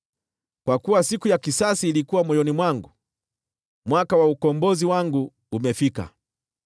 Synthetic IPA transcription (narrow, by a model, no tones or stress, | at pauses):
kwakuwasikujakisasiːlikuwamwɔjɔnimwaŋɡu | mwakawaukɔmbɔziwaŋɡuː | mɛfika̰